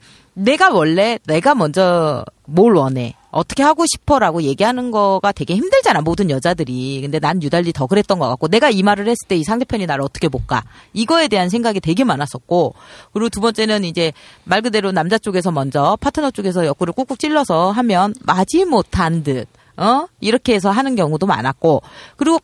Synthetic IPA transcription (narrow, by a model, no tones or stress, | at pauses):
ne̞ɡawʌɭːe̞ne̞ɡamʌnd͡ʑʌmoɭwʌne̞̰ | ʌt͈ʰʌkʰe̞haɡoɕʰi̥pʰʌɾaɡoje̞ɡiɦanɯnɡʌɡate̞ɡeçimdɯɭd͡ʑanamodɯnjʌd͡ʑadɯɾikɯnde̞nanjudaʎːitʌkɯɾe̞t̚t͈ʌnɡʌk͈ak͈one̞ɡaimaɾɯɭhe̞s͈ɯɭt͈e̞isʰaŋde̞pʰjʌɲinaɾʌt͈ʰʌ̥kʰe̞bok͈a̰iɡʌe̞de̞ɦansʰe̞ŋɡaɡite̞ɡe̞manas͈ʌtk̚k͈okɯɾiɡotubʌnt͡ɕ͈e̞nɯnid͡ʑe̞maɭɡɯde̞ɾonamd͡ʑat͡ɕ͈oɡe̞s̬ʰʌmʌnd͡ʑʌpʰatʰɯnot͡ɕ͈oɡe̞s̬ʰʌjʌk͈uɾɯɭk͈ok͈uk̚t͡ɕ͈iɭːʌsʰʌɦamjʌnmad͡ʑimotʰandɯd̚ | ʌiɾʌkʰe̞es̬ʰʌɦanɯnkjʌŋudoma̰nat̚k͈okɯɾiɡo